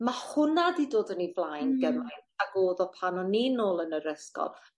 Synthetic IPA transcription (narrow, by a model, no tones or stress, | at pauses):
mahʊnadidoːdənivlˠajnɡəmajnaɡoːðɔpʰanɔninoːlˠənəɾəskɔ̰lˠ